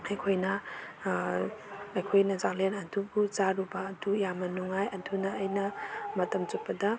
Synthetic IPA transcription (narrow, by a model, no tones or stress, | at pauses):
ɐjkʰojnɐ | ɐjkʰojnɐzalenɐdubud͡ʒaɾubaːdujamɐnuŋajɐdʰunɐːjnɐmɐtɐmt͡ʃut̚pɐdɐ